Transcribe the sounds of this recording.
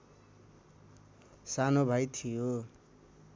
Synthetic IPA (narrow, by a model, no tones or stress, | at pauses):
sanobʱajt̪ʰijo